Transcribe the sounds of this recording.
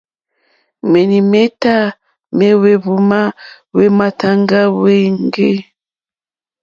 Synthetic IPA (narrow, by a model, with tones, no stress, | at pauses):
mɛ˨ni˨me˦ta˦ | mɛ˦we˨βu˨ma˦ | we˦ma˨ta˦ŋɡa˦wɛ˦ŋɡe˦